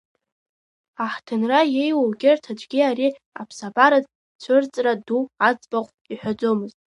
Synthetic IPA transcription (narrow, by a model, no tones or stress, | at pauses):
aħtʰɨnrajejwaɡʲɪrtʰad͡ʒʷʼɡʲiaɾi | a̰pʰsabaɾaz | t͡ɕʷʰɨrt͡sʼraduʕat͡sʼbaqʷʼ | iħʷᶣad͡zo̞mɨztʼ